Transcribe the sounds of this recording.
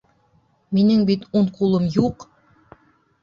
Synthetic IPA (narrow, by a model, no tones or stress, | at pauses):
minɘŋbit̪uɴqulˠɤmjuq